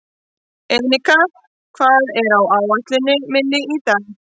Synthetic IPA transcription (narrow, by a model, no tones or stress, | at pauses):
ɛmnɪka | kʰvaːðɛɾawawat̪lɪnːɪmɪnːɪiːt̪an